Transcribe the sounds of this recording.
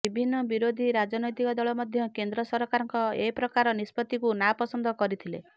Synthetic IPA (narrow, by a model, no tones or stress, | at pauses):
ibʱinːɔbiɾod̪ʱiɾad͡ʒɔnɔjt̪ikɔd̪ɔɭɔmɔd̪ʱjɔkend̪ɾɔsɔɾɔkaɾɔŋkɔepɾɔkaɾɔnispɔt̪ikunapɔsɔnd̪ʱɔkɔɾit̪ʰilḛ